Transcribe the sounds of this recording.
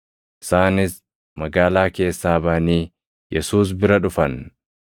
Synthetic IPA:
ʔɪsaːnɪs | mɐɡaːlaːke̞ːsːaːbaniː | jɛsuːs̬bɪɾɐᶑʊfɐn

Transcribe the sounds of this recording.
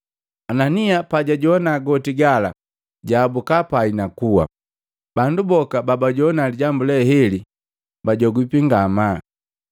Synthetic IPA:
ananiapaɟaɟɔnaːɡɔtiɡala̰ | ɟaːbukapainakuwa̰ | bandubɔkababaɟɔnaliɟambulɛɦɛli | baɟɔɡwipiŋɡama

